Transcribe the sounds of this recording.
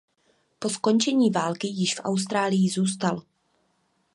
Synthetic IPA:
po̞sko̞nt͡ʃɛɲiːvaːlkɪjɪʃfʔa̰wst̪ɾaːlɪjɪzuːst̪al

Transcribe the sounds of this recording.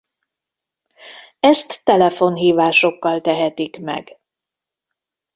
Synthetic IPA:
ɛst̪ːɛlɛfo̞nɦiːvaːʃo̞kːɒlt̪ɛɦɛt̪ikmɛ̰ɡ

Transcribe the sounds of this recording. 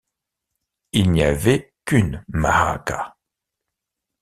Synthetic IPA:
ilniavɛkynma̰ha̰ka

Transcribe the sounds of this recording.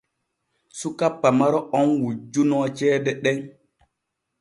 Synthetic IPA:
sukapːamaɾɔɔŋwud͡ʒunɔt͡ʃɛːdɛɗɛŋ

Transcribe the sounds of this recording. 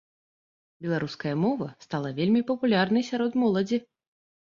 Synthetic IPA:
bʲɛlˠaɾuskɐjɐmɔvɐst̪alˠɐvʲelʲmʲipɐpulʲarnɐjsʲaɾɔd̪mɔlˠɐd͡zʲi

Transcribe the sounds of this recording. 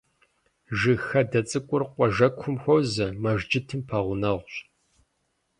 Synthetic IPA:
ʒɨxɐdɐt͡sʼɨkʷʼʊrqʷʼɔʒɐkʷʰʊmxʷɔwzɐmɐʒd͡ʒɪtʰɨmpʰaːʁʷʊnɐʁʷɕ

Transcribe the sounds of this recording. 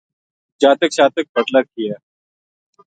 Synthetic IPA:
d͡ʒaːt̪əkʃaːt̪ək̚bət̪ləɾ̚kiɛː

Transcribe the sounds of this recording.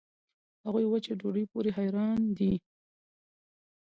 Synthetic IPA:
haɣujwat͡ʃeɖoɖəjpoɾeɦajɾɑnd̪i

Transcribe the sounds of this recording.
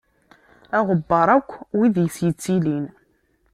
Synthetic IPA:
æʁəbːɑɾˤækʷːwiðjəsjət͡sːilin

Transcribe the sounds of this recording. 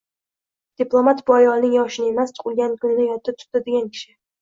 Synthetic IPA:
d̪̥iplˠo̞mat̪bʊajɒlnɪŋjɒʃɪnɪemast̪ʰʊ̥qʰʊlˠɡʲankʰʊnɪnɪjɒt̪ʰːat̪ʰʊ̥ad̪eɡʲankʲʰɪ̥ʃɪ

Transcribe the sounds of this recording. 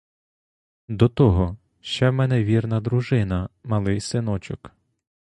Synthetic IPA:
d̪ɔt̪ɔɦɔ | ʃt͡ʃɛmɛnɛʋʲirnɐd̪ɾʊʒɪnɐmɐlˠɪjsɪnɔt͡ʃʊk

